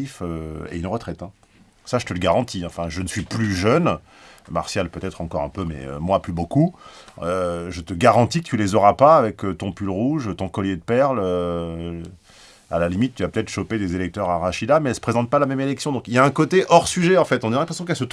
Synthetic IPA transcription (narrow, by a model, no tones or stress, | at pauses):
iføḛynʁət̪χɛt̪ɛ̃ | saʒət̪ələɡaʁɑ̃t̪iɑ̃fɛ̃ʒənəsɥiplyʒœn | ma̰ʁsjalpøt̪ɛt̪χɑ̃kɔʁɛ̰̃pømɛ̰ø̰mwaplybokuøʒət̪əɡaʁɑ̃t̪ikə̥t̪ylezɔʁapaːvɛkət̪ɔ̃pylʁuʒt̪ɔ̃kɔljed̪əpɛʁlø | a̰lalimit̪̚ːyapø̥t̪ɛt̪χə̥ʃoped̪ezelɛk̚t̪œʁaʁaʃid̪amɛɛlsə̥pχezɑ̃t̪̚palamɛmelɛksjɔ̃d̪ɔ̃kiljaɛ̃kot̪eʔɔʁsyʒɛɑ̃fɛt̪ɔ̃nelɛ̃pχesjɔ̃kɛlsət̪